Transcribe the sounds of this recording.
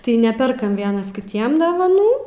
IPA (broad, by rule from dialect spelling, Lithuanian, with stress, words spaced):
tɐɪ ˈnʲæːpʲɛrkɐm ˈʋʲiɛnɐs kʲɪˈtʲiɛm doːʋɐˈnuː